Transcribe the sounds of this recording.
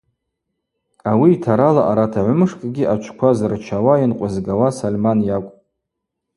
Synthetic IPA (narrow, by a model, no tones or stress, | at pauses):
awiːtʰaɾalaʔaɾatʰaʕʷmɨʂkʼɡʲiʔat͡ʃʷʰkʷʰazrt͡ʃʰawajinqʷʼazɡawasalmanjakʷʼ